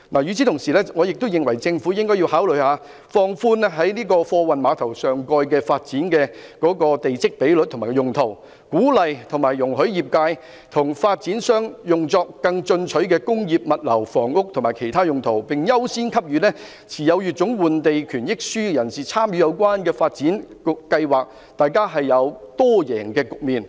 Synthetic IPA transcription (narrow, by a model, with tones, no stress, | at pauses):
laː˨jyː˨˧t͡sʰi˨˥t̪ʰʊ˨˩ŋsiː˨˩lɛː˥ŋɔː˨˧jɪ˨k̚t̪ʊ˥wjɪ˨ŋwɐ˨˩jt͡sɪ˧ŋfu˨˥jɪ˥ŋkɔː˥ji˧whaː˨˥wlɵ˨˧jhaː˨˧ | fɔː˧ŋfuː˧nɛ˥ɦɐ˨˥jniː˥kɔː˧fɔː˧wɐ˨nmaː˨˧t̪ʰɐ˨˩wsœː˨ŋkɔː˧jkɛː˧faː˧t̚t͡siː˨˥nkɛː˧kɔː˨˥kɔː˧t̪e˨jt͡sɪ˥k̚pe˨˥jlɵ˧t̪̚ʰʊ˨˩maː˨˩˧jʊ˨˩ŋt̪ʰo˨˩w | kuː˨˥lɐ˨jt̪ʰʊ˨˩ŋmaː˨˩jːʊ˨˩ŋɦɵ˨˥ɥjiː˨p̚kaː˧j | t̪ʰʊ˨˩ŋfaː˧t̚t͡siː˨˥nsœː˥ŋjʊ˨ŋt͡sɔː˧kːɐ˧ŋt͡ʃɵ˧nt͡ʃʰɵ˨˥ɥkɛː˧kʊ˥ŋjiː˨p̚mɐ˨t̚lɐ˨˩wfɔː˨˩ŋʊ˥k̚t̪ʰʊ˨˩maː˨˩jkʰe˨˩jt̪ʰaː˥jʊ˨ŋt̪ʰo˨˩wpɪ˨ŋjɐ˥wsiː˥nkʰɐ˥p̚jyː˨˧nɛː˥ | t͡sʰiː˨˩jɐ˨˧wjyː˨t̚t͡sʊ˨˥ŋwuː˨nt̪e˨jkʰyː˨˩njɪ˥k̚syː˥jɐ˨˩nsiː˨˩t͡sʰaː˥mjy˨˥jɐ˨˧wkwaː˥nkɛː˧faː˧t̚t͡siː˨˥nkʊ˨kɐ˧jwaː˨k̚ | t̪aː˨jkaː˥ɦɐ˨jːɐ˨˧wt̪ɔː˥jɛː˨˩ŋkɛː˧kʊ˨k̚miː˨n